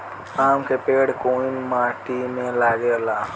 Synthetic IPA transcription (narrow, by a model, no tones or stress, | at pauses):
amkʰepeɽkoinmaʈimẽlaɡela